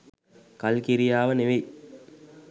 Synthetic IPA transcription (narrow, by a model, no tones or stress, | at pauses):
kɐlkiɾijaːʋəneʋej